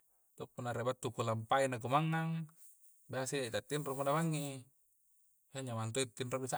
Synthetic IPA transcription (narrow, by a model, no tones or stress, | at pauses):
t̪opːunaɾebat̪ːukulampainak̬umaŋːaŋ | basiait̪at̪ːinromanamaŋːi | haɲamant̪̬oit̪ːinrobisa